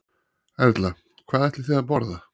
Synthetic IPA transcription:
ɛɾt̪la | kʰvaːðɛjht̪lɪ̥θiːðapɔɾða

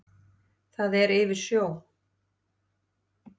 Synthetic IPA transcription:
θaðɛɾɪvɪɾ̥sjoːw

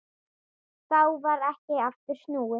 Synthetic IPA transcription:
θawvaɾɛhcɪaft̪ʏɾ̥snuːwʏ

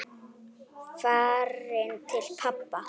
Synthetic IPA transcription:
farɛntʰɛɬpʰapːa

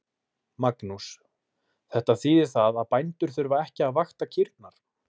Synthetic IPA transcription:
maknus | θɛht̪aθiːðɪɾθaðaðpajnt̪ʏɾ̥θʏɾvaɛhcɪaðvaxt̪acʰɪɾt̪naɾ̥

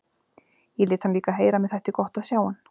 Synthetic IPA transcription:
jɛlɪːt̪sʰamliːkaɦeːjɾamɛðθɛht̪ɪkɔht̪aðsjaːwan

